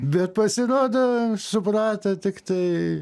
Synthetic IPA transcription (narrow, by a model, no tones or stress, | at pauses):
bʲɛt̪̚pɐsʲɪɾoːd̪oːsʊpɾɑːt̪ɐt̪ʲɪkt̪ɐɪ